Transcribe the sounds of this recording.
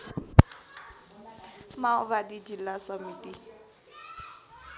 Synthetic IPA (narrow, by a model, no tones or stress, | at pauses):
maʊbadid͡ʒilasamiti